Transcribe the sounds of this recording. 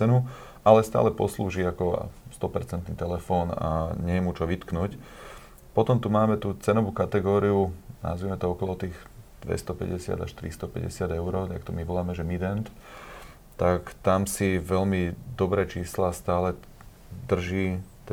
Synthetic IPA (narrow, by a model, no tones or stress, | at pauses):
ɛnu | alɛst̪a̰ːlɛpɔ̰slṵːʒiːakɔ̰st̪ɔpɛɾt͡sɛnt̪nit̪ɛlɛfɔːna̰ɲɛjɛmut͡ʃɔʋit̪knuc | pɔt̪ɔmt̪umaːmɛt̪ut͡sɛnɔʋuːkat̪ɛɡɔːɾiuna̰ʊzʋimɛt̪ɔɔkɔlɔt̪iːx | d̪̥ʋɛ̰st̪ɔpɛ̰ɟɛsɪa̰d̪a̰ʃt̪ɾḭst̪ɔpɛ̰ɟɛ̰sɪad̪ɛʊɾɔːt̪ak̚t̪ɔmiʋɔlaːmɛʒɛmid̪ɛnt̪ | t̪akt̪amsiʋɛʎmid̪ɔbɾɛːt͡ʃiːslast̪aːlɛ | d̪r̩ʒiːt̪